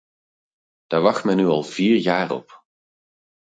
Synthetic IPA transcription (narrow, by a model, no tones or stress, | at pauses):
d̥aːɹʋɑχtmɛnːyɑlˠv̥iːɹjaːɹɔ̰p